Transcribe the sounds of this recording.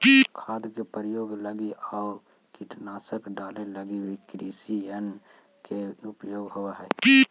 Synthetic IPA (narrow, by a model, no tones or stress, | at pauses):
kʰaːd̪kepəɾjoːɡləɡiaː | kiʈnaːsəkɖaːleləɡiwikɾiːsiən | keʊpjoːɡɦʊʋaɦɛː